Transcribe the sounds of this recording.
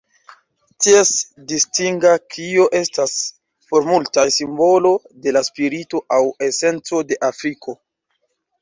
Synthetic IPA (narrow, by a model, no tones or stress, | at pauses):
ties | distiŋɡakʰioʔe̞stas | po̞ɾmultajsimbo̞lo̞ | de̞laspiɾito̞ʔawe̞se̞nt͡so̞de̞ʔafɾikʰo̞